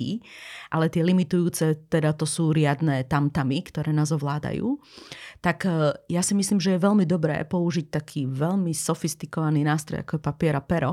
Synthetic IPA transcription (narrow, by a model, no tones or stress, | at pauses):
ḭʔalɛt̪ɪɛlimit̪ujuːt͡sɛt̪ɛd̪at̪ɔsuːɾɪad̪nɛːt̪amt̪amikt̪ɔɾɛːnaːzɔʋlaːd̪a̰jṵː | t̪akjasimisliːmʒɛjɛʋɛlmid̪ɔbɾɛ̰ːpɔuʒic̚t̪akʰiːʋɛʎmisɔfist̪ikɔʋaniːnaːst̪ɾɔ̰ja̰kɔjɛpapɪɛɾapɛɾɔ